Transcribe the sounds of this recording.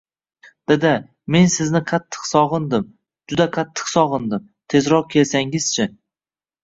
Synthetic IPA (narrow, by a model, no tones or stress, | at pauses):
d̪̥ed̪ɪ | me̞nsɪznɪqʰɑt̪ʰːɨ̥qsɒʁɨnd̪ɪm | d͡ʒʊd̪aqʰɑt̪ʰːɨ̥qsɒʁɨnd̪ɪm | t̪ʰe̞zɾɒq̚kʲʰe̞lsaŋɪz̥t͡ʃʰɪ